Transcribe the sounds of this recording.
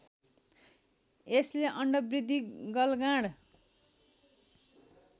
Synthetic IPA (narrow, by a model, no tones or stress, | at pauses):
esleʔʌɳɖʌbrid̪ʱːiɡʌlɡãɽ